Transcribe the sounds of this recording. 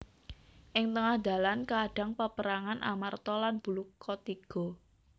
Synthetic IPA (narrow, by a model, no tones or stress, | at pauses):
ʔɪŋt̪əŋahd̪̥a̤lankaɖ̥a̤ŋpapəɾaŋanʔa̰mart̪ɔlanb̥ṳlukʰːɔt̪iɡ̥ɔ̤